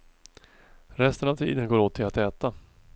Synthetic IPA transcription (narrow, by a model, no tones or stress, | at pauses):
ɾɛst̪ənavt̪ʰḭːd̪ənɡoːɾoːt̪ʰːɪlat̪ɛːt̪a